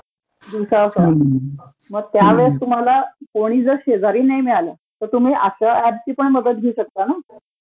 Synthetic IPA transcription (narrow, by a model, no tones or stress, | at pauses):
d̪iwsasə | məɡ̚t̪jaʋeɭəst̪um̤alakoɽ̃iːd͡zəɾɕed͡zaɾiːnajmiɭala | t̪əɾt̪um̤iːʔaɕəæb̚t͡ɕiːpəɳməd̪ət̪̚ɡʱeuɕək̚t̪ana